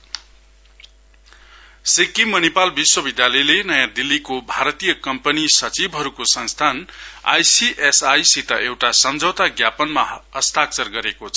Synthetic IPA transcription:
sekimʌnepalbiswʌbid̪jalʌjlenʌjãd̪ilːikobʱaɾʌt̪ijʌkʌmpʌnisʌt͡sibʱɦʌɾukosʌnst̪ʰana̰jsiʔesajsit̪ʌʔewʈasʌmd͡zʱʌwt̪aɡjapʌnmaʌst̪ak̚t͡sʌrɡʌɾekot͡sʰʌ̥

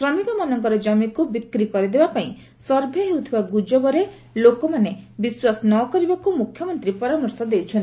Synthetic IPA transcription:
sɾɔmikɔmɔnɔŋkɔɾɔd͡ʒɔmikubikɾikɔɾid̪ebapaĩ | sɔɾbʱeɦewt̪ʰibaɡud͡ʒɔbɔɾe | lokɔmanebiswasnɔkɔɾibakumukʰjɔmɔnt̪ɾipɔɾamɔɾsɔd̪ejt͡ʃʰɔnt̪

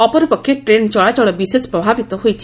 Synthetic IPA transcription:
ɔpɔɾipɔkʰːjeʈɾent͡ʃɔɭad͡ʒɔɭɔbisespɾɔbʱabit̪ɔɦojt͡ʃʰi

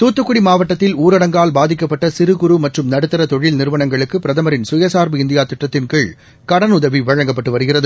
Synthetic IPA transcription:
t̪uːt̪ːɯkːʊɽimaːʋɐʈːɐt̪ːɪluːɾɐɽɐŋɡaːlbaːðɪkːɐpːɐʈːɐsɪɾɯɣʊɾumɐʈrɯmnɐɽɯt̪ːɐɾɐt̪ɔɻɪlnɪɾɯʋɐnɐŋɡɐɭɯkːɯpɪɾɐðɐmɐɾɪnsʊjɐsaːɾbɯɪnd̪ɪjaːt̪ɪʈrɐt̪ːɪnkeɭ | kɐɽɐnʊðɐʋiʋɐɻɐŋɡɐpːɐʈːɯʋɐɾɯɣɪrɐðɯ

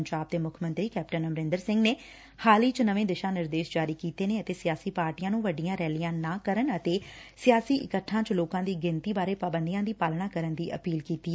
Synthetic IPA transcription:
ɲd͡ʒaːb̚t̪eːmʊkʰmə̃nt̪ɾiːkɛːpʈənəmɾɪ̃nd̪əɾsɪ̃ŋɡneː | haːliːt͡ʃnəʋẽːd̪ɪʃãːnɪɾd̪eːʃd͡ʒaːɾiːkiːt̪eːneːət̪eːsɪjaːsiːpaːɾʈijãːnũːʋəɖɪjãːɾɛːlɪjãːnãːkəɾənət̪eːsɪjaːsiːʔɪ̰kəʈʰːãːt͡ʃloːkãːd̪iːɡɪnt̪iːbaːɾeːpaːbənd̪ijãːd̪iːpaːlnaːkəɾənd̪iːʔəpiːlkiːt̪iː

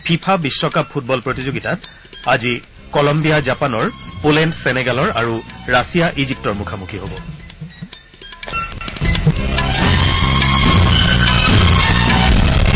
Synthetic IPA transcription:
pʰipʰabisːɔkap̚pʰːut̚bɔlpɹotizoɡitat | azi | kɔlɔmbijazapanɔɹpolɛntsɛnɛɡalɔɹaɹuɹasijaʔizip̚tɔɹmukʰamukʰiɦobɔ

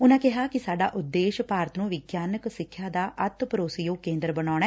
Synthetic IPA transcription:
ʊnãːkɛɦaːkɪsaːɖa̰ːʔʊd̪ːeːʃpaːɾət̪nũːʋɪɡjaːnəksɪkʰjaːd̪aːʔət̪pəɾoːsijõːkẽːnd̪əɾbənaːɽ̃aɛː

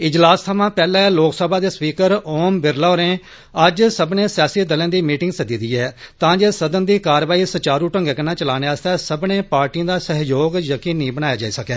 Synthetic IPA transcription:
ɪd͡ʒlaːst̪ʰamãːpɛːlãɛloːksəbaːd̪eːspiːkəɾoːmbɪɾlaːɾẽː | əd͡ʒsəbnẽːsɪjaːsiːd̪əlẽːd̪iːmiːʈɪ̃ŋɡsəd̪iːd̪iːɛːt̪ãːd͡ʒeːsəd̪ənd̪iːkaːɾʋaːiːsət͡ʃaːɾuːʈə̃ŋɡɛːkənãːt͡ʃəlaːneːaːst̪ɛːsəbnẽːpaːɾʈĩːd̪aːsəɦjoːɡjəkiːnːĩːbəñaːjaːd͡ʒaːiːsəkɛː

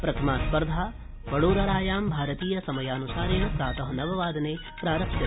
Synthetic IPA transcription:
pɾɐt̪ʰɐmaːspɐɾd̪ʱaː | ʋɐɽoːɾɐɾaːjaːmbʱaːɾɐt̪iːjɐsɐmɐjaːnusaːɾinɐsaːt̪ɐɦɐnɐʋɐʋaːd̪ʱɐneː | pɾaːɾɐkʃɐ

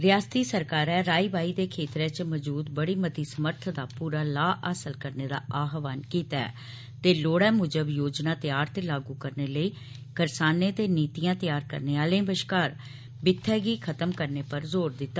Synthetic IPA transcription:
ɾɪjaːst̪iːsəɾkaːɾɛːɾaːiːʋaːiːd̪eːkʰeːt̪ɾɛːt͡ʃməd͡ʒuːd̪bəɽiːmət̪iːsəməɾt̪ʰd̪aːpuːɾaːlaːʔaːsəlkəɾneːd̪a̰ːaːɦʋaːnkiːt̪aɛ̰ː | t̪eːloːɽɛːmʊd͡ʒəbjoːd͡ʒnãːt̪jaːɾt̪eːlaːɡuːkəɾneːləiː | kəɾsaːneːt̪eːniːt̪ijãːt̪ɪjaːɾkə̰ɾneːaːlẽːbəʃkaːɾ | bɪt̪ʰːɛːɡiːkʰət̪əmkəɾneːpəɾzoːɾd̪ɪt̪ːaː

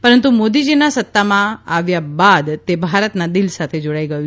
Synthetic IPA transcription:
pəɾənt̪umod̪id͡ʒinasət̪ːamãaʋjabad̪t̪ebʱaɾət̪nad̪ɪlsat̪ʰed͡ʒoɽaiɡəju

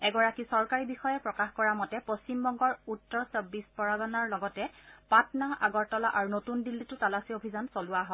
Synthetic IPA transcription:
ɛɡɔɹakisɔɹkaɹibixɔjɛpɹɔkaxkɔɹamɔtɛpost͡ɕimbɔŋɡɔɹutːɔɹsɔbispɔɹaɡɔnaɹlɔɡɔtɛpatnaaɡɔɹtɔlaʔaɹunotundilːitʊtalasiobʱizansolʊwaɦɔ

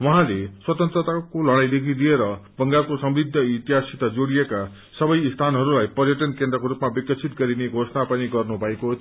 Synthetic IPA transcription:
wʌɦãleswʌt̪ʌnt̪rʌt̪akolʌɽ̃ajd̪ekʰid̪ieɾʌbʌŋɡalkosʌmrid̪ʱːʌit̪iɦasit̪ad͡zoɽijeka | sʌbʌjst̪ʰanɦʌɾulajpʌrjʌʈʌnkend̪rʌkoɾupmabikʌt͡sʰit̪̚ɡʌɾineɡʱosʌnapʌniɡʌrnubʱʌeko

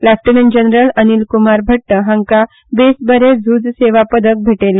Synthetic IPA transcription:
lafʈənənd͡ʑənɾələnilkumaɾbʱəʈːəɦãŋka | besbəɾed͡zʱuːd͡zseʋapəd̪ək̚bʱeʈel

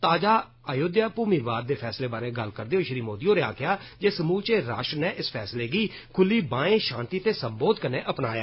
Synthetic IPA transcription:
t̪aːd͡ʒaː | əjoːd̪jaːpuːmiːʋaːd̪̚d̪eːpʰɛːsleːbaːɾeːɡəlkəɾd̪eːoːʃɾiːmoːd̪iːõːɾeaːkɪjaːd͡ʒeːsəmuːlt͡ʃeːɾaːʃɾneːʔɪspʰɛːsleːɡiː | kʰʊliːbãːẽːʃãːnt̪iːt̪eːsəmboːd̪kəɾneːʔəpnaːja̰ː

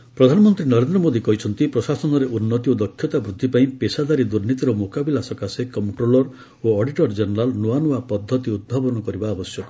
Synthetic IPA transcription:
pɾɔd̪ʱanɔmɔnt̪ɾinɔɾend̪ɾɔmod̪ikɔɦit͡ʃʰɔnt̪ipɾɔsasɔnɔɾeʔunːɔt̪iod̪ɔkʰjɔt̪abɾud̪ʱːipaĩpesad̪aɾid̪uɾnit̪iɾɔmokabilasɔkasekɔmʈɾolɔɾ | oɔɖiʈɔɾd͡ʒenɾalnoanuapɔd̪ʱːɔt̪iud̪̚bʱabɔnɔkɔɾibaːbɔsjɔkɔ

